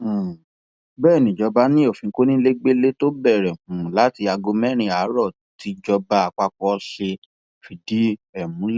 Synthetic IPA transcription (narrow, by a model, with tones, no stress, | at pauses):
bɛː˦˨nĩ˨d͡ʒɔ˧ba˦nĩ˦o˦˨fĩ˨˧˦ko˦nĩ˦le˦ɡ͡be˦le˦to˦bɛ˦˨ɾɛ˨hũ˨˦la˨˦ti˧a˧ɡo˧mɛ˦˨ɾ̃ĩ˧a˨˦ɾɔ˦˨ | ti˨˧˦d͡ʒɔ˧ba˧˦a˧k͡pa˧kɔ˧ɔ˧ʃe˧ | fi˨di˨˦ɛ˨mũ˨˦l